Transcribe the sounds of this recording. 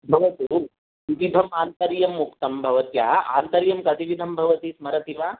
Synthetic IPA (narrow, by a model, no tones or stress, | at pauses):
bʱɐʋɐt̪uː | itid̪ʱɐmaːnt̪ɐɾjɐmːukt̪ɐmbʱɐʋɐt̪ja̰a̰nt̪ɐɾjɐmkɐt̪iʋid̪ʱɐmbʱɐʋɐt̪iːsmɐɾɐt̪iʋaː